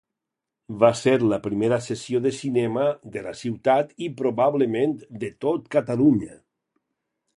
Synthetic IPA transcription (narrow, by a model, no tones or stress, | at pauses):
βaseɾlapɾimeɾasesioðesinɛmad̪elasiwt̪at̪ipɾoβaβləmend̪et̪ot̪kat̪aluɲə